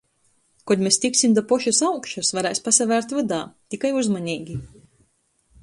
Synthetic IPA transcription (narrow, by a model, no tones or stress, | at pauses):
kɔd̪ʲmest̪iksʲimd̪apɔʃusawkʃusvaɾɛjspasavæːɾt̪vad̪aːt̪ikajuzmanʲiːɡʲi